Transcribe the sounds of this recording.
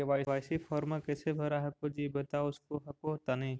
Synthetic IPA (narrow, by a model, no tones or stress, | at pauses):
eʋajʋajsipʰɔɾmakesebʱəɾaɦɐkod͡ʒibət̪aʊskoɦɐkot̪anəj